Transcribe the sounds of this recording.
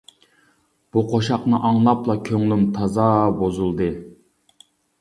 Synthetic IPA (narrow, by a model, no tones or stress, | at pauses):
b̥uqʰoʃɑqnɨʔɑŋlˠɑplˠɑkʲʰøŋlymt̪ʰɑzɑːbozulˠd̪ɨ